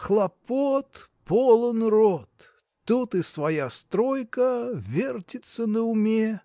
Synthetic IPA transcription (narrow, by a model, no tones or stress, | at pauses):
xlˠɐpot̪ | polˠənrot̪ː | ut̪ɨsvajast̪ɾojkəvʲertʲɪt̪sənəʊmʲe